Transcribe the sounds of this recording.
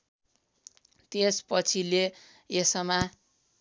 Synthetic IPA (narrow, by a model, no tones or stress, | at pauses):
t̪espʌt͡sʰile | esʌma